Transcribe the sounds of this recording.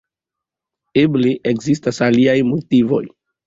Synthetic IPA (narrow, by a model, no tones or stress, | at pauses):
ebleʔekzistasaliajmotivo̞̰j